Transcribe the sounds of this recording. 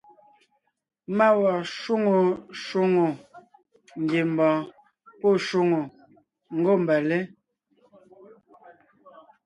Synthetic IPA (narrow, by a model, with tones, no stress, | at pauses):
ma˦wɔ˨ʃu˦ŋo˨ʃu˦ŋo˨ | ŋ̩˨ɡe˨m˨bɔ̃ː˨ | po˦˨ʃu˦ŋo˨ | ŋ̩˦ɡo˦˨m̩˨bɛ˨le˦